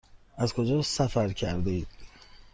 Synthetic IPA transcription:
æzkʰod͡ʒɒːsæfæɾkʰæɾd̪eiːd̪̥̚

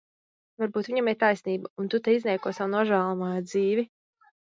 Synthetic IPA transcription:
vaɾbuːt̪vʲiɲamɛɾt̪ajsniːbaunt̪ut̪ɛiznʲɛjkuɔsawunuɔʒæːlˠɔmaːjd̪ziːvi

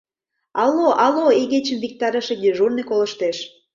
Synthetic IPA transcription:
ɑloʔɑloeɣet͡ɕəmvik̚t̪ɑɾə̆ʃĕɡ̪eʒurnekolə̆ʃt̪eʃ

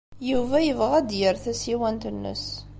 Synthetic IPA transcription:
juvæjəvʁæd̪jəɾθæsiwænt̪ənːə̰s

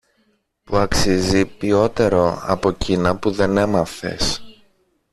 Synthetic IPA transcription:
puɐksizipio̞t̪e̞ɾo̞ɐ̰po̞cinɐpuðe̞ne̞mɐfe̞̰s

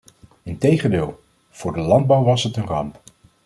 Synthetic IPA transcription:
ɪntejχəndɪːlˠ | v̥ʊːɹdəlɑnd̚bɑwʋɑsɦətənrɑmp

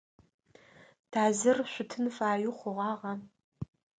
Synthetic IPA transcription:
d̥ʰaːzɨrɕʷʊtʰɨnfaːjʊχʷʊʁɑːʁɐ

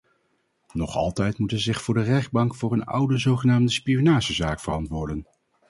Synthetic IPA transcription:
nɔχɑ̰lˠtɛjtmutənzɪχfʊːɹdərɛχd̚bɑŋkfʊːrənʌ̰wdəzowχənaːmdəspijonaːʒəzaːkfərɑntʋʊːɹdən

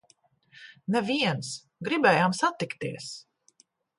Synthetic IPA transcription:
nɛviɛns | ɡɾibɛːjaːmsat̪ikt̪iɛs

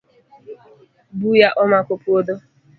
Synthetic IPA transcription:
bujaʔɔmakʷʊpʊodo

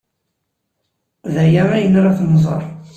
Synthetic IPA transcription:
ðæjaɾˤæjənɾˤaθnzˤə̰ɾˤ

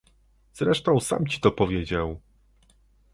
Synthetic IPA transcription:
z̥ɾɛʂt̪ɔ̃w̃sa̰mt͡ɕi̥t̪ɔpɔvʲjed͡ʑaw

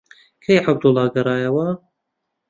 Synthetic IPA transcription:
kʰejʕab̚d̪ʊlˠːɑːɡɐɾɑːjɐwɐ

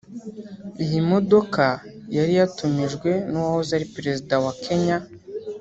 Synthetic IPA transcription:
ijimo̞do̞kajaɾijatumiʒɡwe̞nuwahozaɾipeɾe̞zidawakʰe̞ɲa

